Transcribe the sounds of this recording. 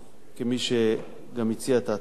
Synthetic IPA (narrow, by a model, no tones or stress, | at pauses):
kemiʃe | ɡamit͡siat̪a